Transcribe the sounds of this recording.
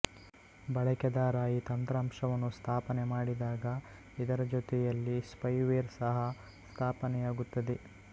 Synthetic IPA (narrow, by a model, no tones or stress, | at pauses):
bɐɭɐkɐd̪aːɾaːjit̪ɐnt̪ɾaːmʂɐʋɐnːust̪ʰaːpɐnemaːɽid̪aːɡɐ | id̪ɐɾɐd͡ʒot̪ɛjɐlːispɐjʋeːɾsɐɦɐ | st̪ʰaːpɐnɛjaːɡut̪ːɐd̪e